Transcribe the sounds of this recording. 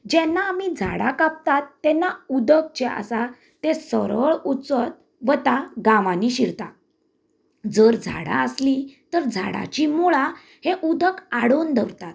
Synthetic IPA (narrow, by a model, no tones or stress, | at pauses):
d͡ʑɛnːaːmid͡zʱa̰ɽakap̚t̪at̪ːɛnːaud̪ək̚t͡ɕeʔə̰sa | t̪esəɾəɭut͡sət̪̚ | ʋət̪aɡãʋãniɕiɾt̪a̰ | d͡zəɾd͡zʱa̰ɽa̰əslit̪əɾd͡zʱa̰ɽa̰t͡ɕimoɭa | heʔud̪əkaɽond̪ʱəɾt̪at̪̚